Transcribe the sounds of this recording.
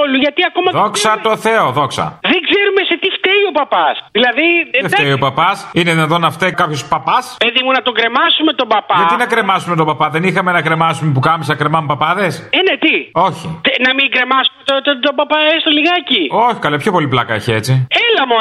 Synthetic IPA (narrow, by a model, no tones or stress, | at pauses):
oluʝɐt̪iɐko̞mɐðoksɐt̪o̞θe̞oðo̞ksɐ̰ðeŋɡze̞ɾume̞se̞t̪ift̪eio̞pɐpɐsðilɐðiseft̪eiopɐpɐsineðinɐðonɐft̪ekɐpçospɐpɐspeðimunɐt̪o̞ɡɾe̞mɐsume̞t̪o̞bɐpɐʝɐt̪inɐkɾe̞mɐsumet̪o̞bɐpɐðe̞nixɐme̞nɐkɾe̞mɐsumep̬ukɐmisɐkɾe̞mɐmpɐpɐðe̞senet̪io̞çinɐmiɡɾe̞mɐsumet̪ot̪ot̪obɐpɐest̪oliɣɐcioçi̥kɐlepço̞po̞liplɐkɐeçiet͡sielɐmo